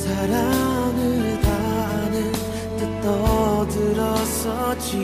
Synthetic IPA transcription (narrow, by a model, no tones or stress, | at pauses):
sʰaɾamɯɭtanɯn | t̪ɯt̪͈ʌdɯɾʌsʌt͡ɕi